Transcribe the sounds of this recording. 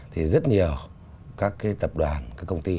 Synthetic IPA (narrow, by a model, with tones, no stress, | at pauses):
t̪ʰi˨˩zə˦˥t̚ɲi˨˩əw | kaː˦˥kːaː˨˦jt̪ə˨˩p̚ɗwaː˨˩nkaː˦˥kːə˧wŋ͡mt̪i˧